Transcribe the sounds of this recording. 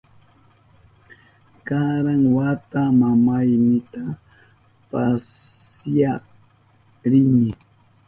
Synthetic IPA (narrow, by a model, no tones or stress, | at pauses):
kaɾaŋwat̪amamajnɪt̪a | pas | jɑq | ɾɪnɪ